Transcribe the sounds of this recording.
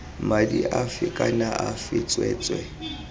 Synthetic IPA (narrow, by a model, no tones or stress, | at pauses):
madiʔafikʼanaʔafɪt͡sʼwɛ̰ːt͡sʼwɛ